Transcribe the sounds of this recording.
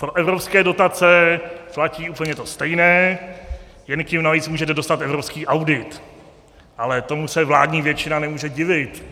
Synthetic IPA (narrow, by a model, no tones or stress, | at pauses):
pɾoʔɛvɾopskɛːdo̞t̪at͡sɛflaciːʔuːpəɲɛjɛt̪o̞st̪ɛjnɛː | jɛnkɪmnaviːt͡smuːʒɛt̪̬ɛdost̪at̪ɛvɾo̞pskiːʔawdɪt̪ | ʔalɛt̪o̞musɛvla̰ːdɲiːvjɛt͡ʃɪnanɛmuːʒɛɟɪvɪt̪